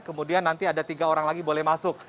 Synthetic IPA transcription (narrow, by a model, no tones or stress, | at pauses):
kəmudianːant̪iadat̪iɡaoɾaŋlaɡibolɛhmasʊk̚